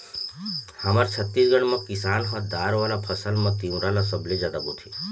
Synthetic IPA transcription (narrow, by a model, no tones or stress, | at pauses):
həmaɾt͡ʃʰət̪ːisɡəɳ̃mãkɪsaːnɦãd̪aːɾʋalapʰəsəlmãt̪iũɾalasəblezjaːd̪abot̪ʰi